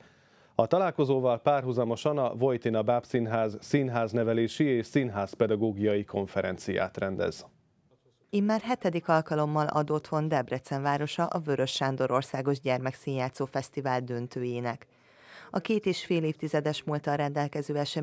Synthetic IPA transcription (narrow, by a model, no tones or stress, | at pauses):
ɒt̪ɒlaːlko̞zoːvɒlpaːrɦuzɒmo̞ʃɒnɒvojt̪inɒbaːpsinɦaːzsinɦaːznɛvɛleːʃieːʃsinɦaːspɛd̪ɒɡoːɡijɒjikʰo̞ɱfɛɾɛnt̪sija̰ːt̪rɛnd̪ɛ̰z̥ | imːaːrɦɛt̪ɛd̪ikɒlkɒlo̞mːɒlɒ̰d̪o̞t̪ho̞nd̪ɛbrɛt̪sɛɱvaːɾo̞ʃɒʔɒvøɾø̞ʃːaːnd̪o̞ɾo̞rsaːɡo̞ʒɟɛrmɛksiːɲjaːt̪soːfɛst̪ivaːld̪ønt̪øːjeːnɛk | ɒkeːt̪eːʃfeːleːft̪izɛd̪ɛʃmult̪ɒɾɛnd̪ɛlkɛzøːɛʃɛ